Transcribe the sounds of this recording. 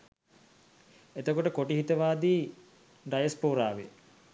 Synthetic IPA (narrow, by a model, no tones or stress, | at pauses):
et̪okoʈəkoʈiɦit̪əʋaːd̪iː | ɖajəspoːɾaːʋḛ